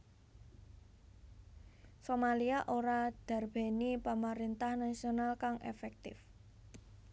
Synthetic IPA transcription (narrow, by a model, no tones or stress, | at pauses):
somaliaʔoɾad̪̥a̤rb̥e̤nipamaɾint̪ahnasionalkaŋʔḛfɛk̚t̪ɪ̰f